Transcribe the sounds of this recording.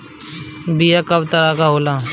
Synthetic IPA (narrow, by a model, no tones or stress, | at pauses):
bijakɐbt̪əɾaːkaɦoːlaː